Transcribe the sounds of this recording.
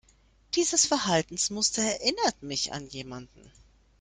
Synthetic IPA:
d̥iːzəsfɛɐɦaltn̩smʊstɐɛɐʔɪnɐtmɪça̰njeːmandn̩

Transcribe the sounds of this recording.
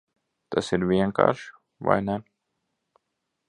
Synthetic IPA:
t̪ʰasiɾvʲiɛŋka̰ːɾʃ | ʋa̰jnɛ

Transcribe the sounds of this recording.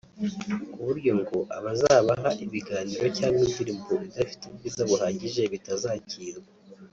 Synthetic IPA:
kuβuɾɟo̞mɡoʔaβazaːβaɦaʔiβiɡaːniːɾo̞caːnibdiɾiːmboβidafi̥tebɡiːzaβuhaːɟiʒe̞βitazaːciːɾɡa

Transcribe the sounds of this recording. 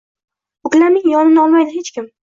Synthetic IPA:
ʊkʲlanɪŋjɒnɪnɒlˠmajd̪ɪɦet͡ʃkʲɪm

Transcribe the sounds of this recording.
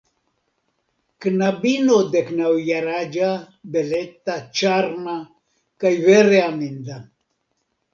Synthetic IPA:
knabinod̪eknawjaɾad͡ʒa | belet̪at͡ʃaɾma | kajveɾeamind̪a

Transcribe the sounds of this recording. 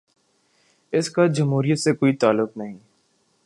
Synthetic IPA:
ɪskad͡ʒɐmɦuːɾijət̪sekoːit̪aːlːʊqnɐɦĩː

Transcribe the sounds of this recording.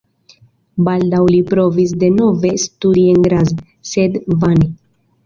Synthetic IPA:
baldawlipɾo̞vis̬de̞no̞ve̞studie̞nɡɾaz | se̞dvani

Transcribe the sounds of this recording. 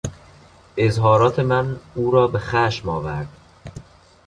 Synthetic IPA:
ʔezɦɒːɾɒːt̪ʰe̞mænuːɾɒːbexæʃmɒːvæɾd̪̥

